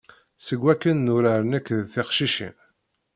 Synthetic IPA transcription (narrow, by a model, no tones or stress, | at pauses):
səɡʷːækːənːʊɾaɾənəkːðθɪqʃiʃḭn